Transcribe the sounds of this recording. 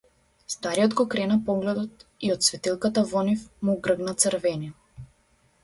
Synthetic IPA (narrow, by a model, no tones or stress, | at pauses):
st̪aɾijɔd̪ɡɔkɾɛnapɔɡlɛd̪ɔt̪iɔt̪svɛt̪ilˠkat̪avɔnifmuɡɾəɡnat̪səɾvɛni